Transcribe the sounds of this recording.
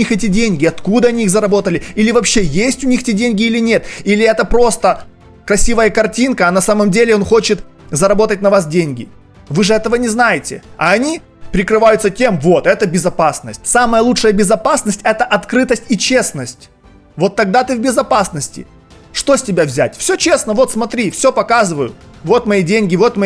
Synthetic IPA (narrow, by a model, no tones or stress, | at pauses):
ixɛtʲɪdʲenʲɡʲɪɐt̪kud̪əɐnʲiixzəɾɐbo̞t̪əlʲɪilʲɪvɐpɕːejesʲtʲʊnʲixɛtʲɪdʲenʲɡʲɪilʲɪnʲet̪ilʲɪɛt̪əpɾo̞st̪ə | kɾɐsʲivəjəkɐrtʲinkəːnɐsaməmdʲelʲɪo̞nxo̞t͡ɕɪt̪ | zɐɾɐbo̞t̪ətʲnɐvasdʲenʲɡʲɪ | vɨʐɨɛt̪əvənʲɪznajɪtʲɪɐɐnʲi | pɾʲɪkɾɨvajʊt̪sətʲe̞mvo̞t̪ɛt̪əbʲɪzɐpasnə̰sʲtʲsaməjəlˠut͡ʂʂəjəbʲɪzɐpasnəsʲtʲɛt̪əʔɐt̪kɾɨt̪əsʲtʲit͡ɕe̞snəsʲtʲ | vo̞t̪ːɐɡ̚d̪at̪ɨvbʲɪzɐpasnəsʲtʲɪ̰ | ʂt̪o̞sʲtʲɪbʲavzʲæ̰tʲfsʲɵt͡ɕe̞snəvo̞t̪smɐt̪ɾʲifsʲɵpɐkazɨvəjʊ | vo̞t̪mɐidʲenʲɡʲɪvo̞t̪mɐ